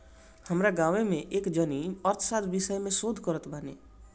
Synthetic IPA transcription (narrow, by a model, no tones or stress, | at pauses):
həmɾaɡaːʋemẽʔeːkd͡ʒəniɔɾt̪ʰsad̪bɪsəjmẽsoːd̪ʱkəɾət̪bʱanḛ